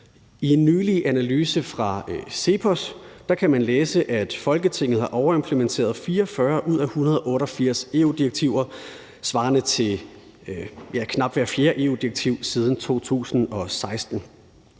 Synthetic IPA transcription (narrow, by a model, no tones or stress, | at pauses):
ie̝nːyːliʔænælyːsəfʁɑ̈se̝pʰɒsd̥ɑ̈kʰæmænleːsəʔæd̥fɒ̽lɡ̥ət͡sʰe̝ŋ̰ð̩ˠhɑ̈ʔɒʊɐe̝mpʰlement͡sʰe̝̰ːɐð̞ˠfiːɐɒfɶɐʔuð̞̰ˠæhunɐð̞ˠɒ̽ʔɔ̽ːɾɒ̽fiɐ̰se̝ud̥ieɡ̥̚t͡sʰiʊ̰ɐ | sʋɑ̈ːnət͡sʰe̝ | jækʰnɑ̈b̥ʋæɐfje̝ːɐʔe̝̰ːuːd̥ieɡ̥t͡sʰiʊ̰sið̞ˠn̩t͡sʰo̝̰ːt͡sʰṵːsn̩ɒ̽sɑ̈ɪsd̥n̩